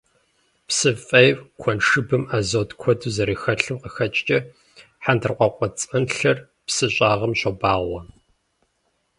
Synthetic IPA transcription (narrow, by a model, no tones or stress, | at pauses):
psɨfʼɐjwkʷʰɔnʂɨbɨmaːzoːtkʷʰɔduzɐɾiːxɐɬɨmqəxɐt͡ʃʼt͡ʃʼɐ | ħandʰɨrqʷɐqʷɔt͡sʼɐnɬɐr | psɨɕʼaːʁɐmɕɐbaːʁʷɔ